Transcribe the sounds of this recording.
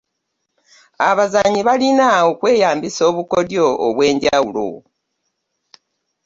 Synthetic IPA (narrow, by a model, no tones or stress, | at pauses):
aβazaɲiβalinaokwe̞ːjaːmbiso̞ːβuko̞djo̞̰ːβwe̞ːɲɟawulo̞̰